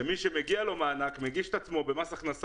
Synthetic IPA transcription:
emiʃe̞meɡialo̞maːnakmeɡiʃe̥t̪at͡smo̞be̞masaχnas

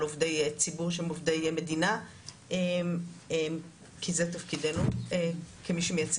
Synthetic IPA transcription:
lovdejt͡sibuʁʃemovdejme̞dina | emem | kʰizet̪̬afkidenuekemiʃemejat͡s

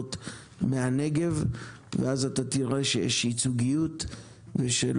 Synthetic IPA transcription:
ot | meane̞ɡe̞v | veʔazatatiʁeʃejḛʃhit͡suɡijut | veʃḛl

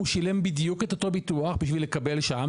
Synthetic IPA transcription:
uʃile̞mbid̪juket̪ot̪obituaχbiʃ̬vile̞kabe̞lʃam

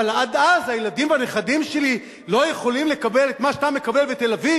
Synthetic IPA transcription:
alad̪azhajelad̪imbane̞χadimʃe̞li | lo̞jeχo̞limle̞kabe̞let̪maʃat̪ame̞kabe̞lvet̪e̞lavi

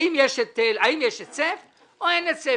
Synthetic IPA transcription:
imjeʃet̪elaimjeʃet͡sef | oenet͡se

